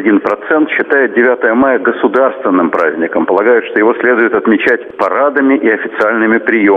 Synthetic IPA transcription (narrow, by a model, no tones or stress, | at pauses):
dʲinpɾɐt̪sɛnt̪ɕːɪt̪ajɪt̪̚dʲɪvʲat̪əjəmajəɡəsʊd̪arst̪vʲɪnːɨmpɾazʲnʲɪkəmpəlˠɐɡajʊt̪ʂt̪ojɪvo̞sʲlʲed̪ʊjɪt̪ɐt̪mʲɪt͡ɕætʲpɐɾad̪əmʲɪʔɪɐfʲɪ̥t̪sɨalʲnɨmʲɪpɾʲɪjo